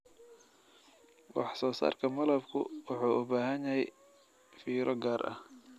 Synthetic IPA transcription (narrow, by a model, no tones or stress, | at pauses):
wɑħsɔːsa̰ːrkʰɐmɐlɐbkʰʊ̰wʊħuːʔʊbaːɦɐnjɐhɛj | fiːɾʔɔɡaːɾʔɐ̰h